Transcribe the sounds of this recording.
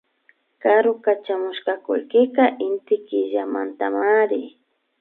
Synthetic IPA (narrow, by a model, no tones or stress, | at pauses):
kaɾʊkat͡ʃamʊʃkakʊ̰lkɪkaʔɪnt̪ɪkɪʒama̰nt̪amaɾɪ